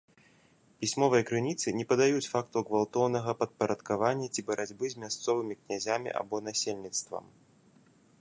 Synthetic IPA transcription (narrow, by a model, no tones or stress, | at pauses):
pʲisʲmɔvɐjɐkɾɨnʲit̪sɨnʲɛpɐd̪ajut͡sʲfakt̪uɣvalˠt̪ɔwnɐɣɐpɐt̪̚pɐɾɐt̪kavanʲːɐt͡sʲibɐɾad͡zʲbɨzʲmʲast̪sɔvɨmʲiknʲazʲamʲḭʔa̰bɔnasʲelʲnʲit̪st̪vɐ̰m